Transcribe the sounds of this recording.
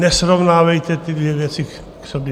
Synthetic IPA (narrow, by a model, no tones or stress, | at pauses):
nɛsɾovnaːvɛjt̪ɛt̪ɪd̪vjɛvjɛt͡sɪ | ksobjɛ